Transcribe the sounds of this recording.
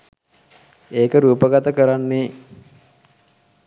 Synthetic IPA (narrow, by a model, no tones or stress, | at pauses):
eːkəɾuːpəɡat̪əkəɾanːe